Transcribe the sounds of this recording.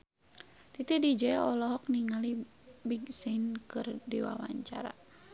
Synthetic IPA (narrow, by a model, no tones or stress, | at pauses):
t̪it̪idid͡ʒɛɔlɔɦɔk̚niŋali | biɡsinkɨrdiwa̰wa̰ɲt͡ʃa̰ɾa̰